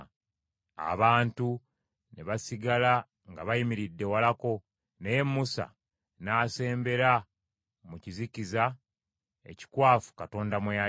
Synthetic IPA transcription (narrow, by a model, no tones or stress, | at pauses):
a̰βaːntu | neβasiɡala | ŋɡaβajimiɾidːe̞walako̞ | nejemːusa̰ | naːse̞ːmbe̞ɾa | muciziciza | e̞̰ci̥kwaːfu̥kato̞ːndamweja